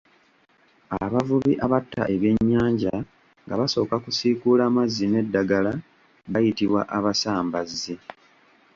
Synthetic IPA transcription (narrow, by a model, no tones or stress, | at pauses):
aβavuβiʔaβatːa̰ʔe̞βje̞ɲːaːɲɟa | ŋɡaβaso̞ːkakusiːkulaːmazːine̞dːaɡala | ɡajitiβwaʔaβasaːmbazːi